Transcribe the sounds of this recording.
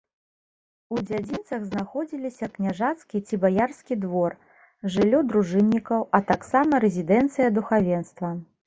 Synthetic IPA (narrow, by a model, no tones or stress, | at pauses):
ud͡zʲad͡zʲint̪sɐɣznaxɔd͡zʲilʲisʲɐknʲaʐat̪skʲit͡sʲibajarskʲid̪vɔr | ʐɨlʲːɔd̪ɾuʐɨnʲːikɐwɐt̪aksamɐɾɛzʲid̪ɛnt̪sɨjɐd̪uxavʲɛnst̪vɐ